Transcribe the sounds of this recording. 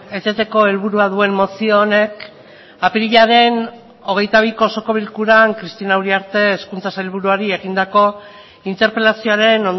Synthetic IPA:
e̞t͡se̞t̪e̞ko̞e̞lβuɾuaðue̞mmo̞sioːne̞k | apiɾiʎaɾe̞n | o̞ɣ̞e̞jt̪aβ̞iko̞so̞ko̞β̞ilkuɾaŋkɾist̪inawɾiaɾt̪e̞ːskunt͡sasajlβ̞uɾuaɾie̞ɣ̞ind̪ako̞ | int̪e̞ɾpe̞lasio̞aɾe̞non

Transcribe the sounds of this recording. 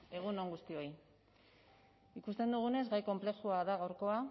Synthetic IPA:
e̞ɣ̞uno̞ŋɡust̪io̞i | ikust̪e̞nd̪uɣ̞une̞zɡajko̞mple̞xuaðaɣawɾko̞a

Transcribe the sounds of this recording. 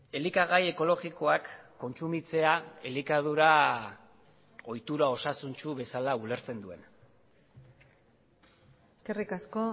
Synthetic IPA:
e̞likaɣaje̞ko̞lo̞ɣiko̞akːo̞nt͡sumit͡se̞aelikað̞uɾa | o̞jt̪uɾao̞sasunt͡ʃuβe̞salaule̞ɾt͡se̞nd̪ue̞̰n | eskerikasko

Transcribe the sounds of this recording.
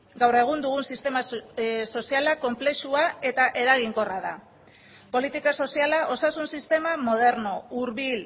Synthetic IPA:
ɡawre̞ɣ̞und̪uɣunsist̪e̞maso̞sialako̞mple̞ʃuae̞t̪aʔe̞ɾaɣiŋko̞raða̰ | po̞lit̪ikaso̞sialaʔo̞sasunsist̪e̞mamo̞ð̞e̞ɾno̞uɾβil

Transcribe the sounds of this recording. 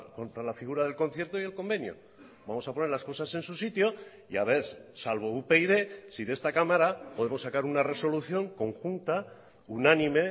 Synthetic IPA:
kont̪ɾalafiɣ̞uɾaðe̞lko̞nθje̞ɾt̪oie̞lko̞mbe̞njo̞̰ | bamo̞sapo̞ne̞ɾlasko̞sase̞nsusit̪jo̞ | ia̰βe̞ɾsalβ̞o̞upeiðe̞siðe̞st̪akamaɾapo̞ðe̞mo̞sːakaɾunare̞so̞luθjo̞ŋko̞ŋxunt̪a | unanĩme̞

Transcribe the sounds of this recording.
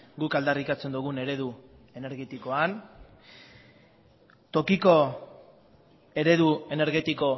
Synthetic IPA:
ɡukald̪arikat͡se̞nd̪uɣ̞une̞ɾe̞ðu | e̞ne̞ɾɣe̞t̪iko̞an | t̪o̞kiko̞ | e̞ɾe̞ðue̞ne̞ɾɣe̞t̪iko̞

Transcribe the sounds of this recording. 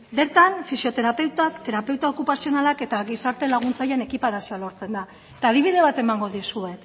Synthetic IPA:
be̞ɾt̪anfisio̞t̪e̞ɾape̞wt̪akt̪e̞ɾape̞wt̪aokupasio̞nalake̞t̪aɣisaɾt̪elaɣ̞unt͡sajene̞kipaɾasialo̞ɾt͡se̞nd̪a | et̪aːð̞iβ̞ið̞e̞β̞at̪e̞maŋɡo̞ðisue̞k

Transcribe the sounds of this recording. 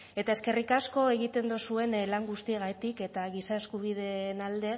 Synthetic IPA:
e̞t̪ae̞ske̞rikasko̞e̞ɣ̞it̪e̞nd̪usue̞nlaŋɡust̪ieɣat̪ike̞t̪aɣisae̞skuβið̞e̞nald̪e̞

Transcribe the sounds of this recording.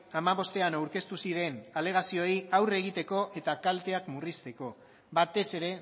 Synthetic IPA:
amaβ̞o̞st̪e̞anawɾke̞st̪usiɾe̞nale̞ɣ̞asio̞iawre̞ɣ̞it̪e̞ko̞ʔe̞t̪akalt̪e̞akmurist̪e̞ko̞ | βat̪e̞se̞ɾe̞

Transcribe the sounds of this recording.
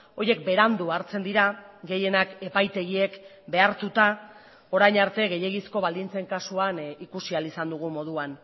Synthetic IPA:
o̞je̞k̚be̞ɾand̪uaɾt͡se̞nd̪iɾaɡe̞je̞nake̞pajt̪e̞ɣie̞k | be̞aɾt̪ut̪a | o̞ɾajɲaɾt̪e̞ɣe̞je̞ɣisko̞βald̪int͡se̞ŋkasuanikusialisand̪uɣ̞umo̞ð̞uan

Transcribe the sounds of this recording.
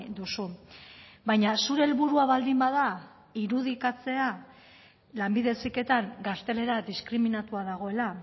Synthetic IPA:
d̪usu | bajɲasuɾe̞ːlβuɾuaβald̪imbaða | iɾuð̞ikat͡se̞a | lambiðe̞sike̞t̪aŋɡast̪e̞le̞ɾad̪iskɾiminat̪uaðaɣ̞o̞e̞la

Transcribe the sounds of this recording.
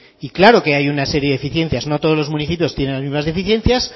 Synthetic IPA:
iklaɾo̞ke̞ajunase̞ɾjeðefiθje̞n̟θjazno̞t̪o̞ð̞o̞zlo̞zmũniθipjo̞st̪jene̞nlazmizmazðefiθje̞n̟θjas

